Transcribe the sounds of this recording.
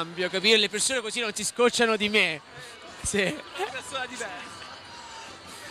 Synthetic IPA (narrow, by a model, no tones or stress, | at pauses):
mbjokapiːɾelepersoːnekozinonsiskot͡ʃːanod̪ime | seɛpersoːnad̪ivɛrsa